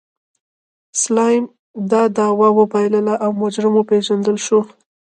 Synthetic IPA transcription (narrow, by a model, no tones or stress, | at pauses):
slɑjm | d̪ɑd̪ɑwawəbɑjləlaʔawmʊd͡ʒɾɪmopeʒand̪əlʃo